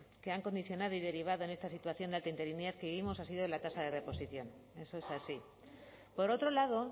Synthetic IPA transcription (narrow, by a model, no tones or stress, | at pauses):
ke̞aŋko̞nd̪iθjo̞nað̞o̞iðe̞ɾiβ̞aðo̞e̞nest̪asit̪waθjo̞nd̪alt̪eint̪eɾinjeɾkeβiβimosas̬iðoelat̪asaðe̞re̞po̞siθjon | e̞so̞esasi | po̞ɾo̞t̪ɾo̞laðo̞